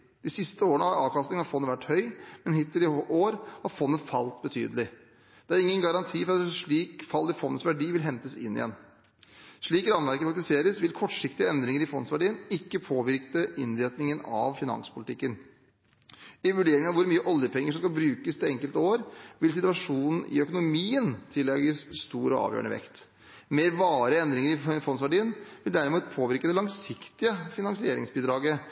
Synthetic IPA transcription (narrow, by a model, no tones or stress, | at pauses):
d̪̥ɪsɪst̪əoːɾəɳəɑɑːʋkɑst̪ɪŋɑfɔnːəʋæʈːhœʏmɛnhɪt̪ːəlɪʔoːɾhɑɾfɔnːəfɑlt̪̚bət̪ʰy̰ːd̪əlɪ | d̪̥ɛæɾɪŋːənɡɑɾɑnt̪ʰiːfɔɾɑt̪ʂɭiːkfɑlːɪfɔnːəsʋæɖiːʋɪlɦɛnt̪əsɪ̰nːɪ̰jɛ̰nː | ʂɭiːkɾɑnʋæɾkəpfɑk̪̚t̪ɪseːɾəsʋɪlkʰɔʈʂɪkt̪ɪəɛnd̪ɾɪŋəɾɪfɔnsʋæɖiːənɪkːəpʰoːʋɪɾkəʔɪnɾeːt̪nɪŋənɑ̰ʋfɪnɑ̰ŋspʊlɪt̪ʰɪkːən | ɪʋʉɖeːɾɪŋɑʋʊɾmyːəʔɔljəpʰɛŋːəʂ̬ɔmskɑlbɾʉːkəst̪ʰɛŋkəlt̪əoːɾʋɪls̬ɪt̪ʉɑʂuːnn̩ʔɪ̰œkʊnʊmiːənt̪ʰɪlːɛɡəsst̪uːɾɔɑ̰ːʋjø̰əɳnə̰ʋɛ̰kt̪ | meːɾʋɑːɾəɛnd̪ɾɪŋəɾɪfɔnsʋæɖiːənʋɪld̪æɾɪmuːt̪pʰoːʋɪɾkəd̪ɛlɑŋsɪkt̪ɪəfɪnɑŋsɪeːɾɪ̰ŋsbiːd̪ɾɑːɡə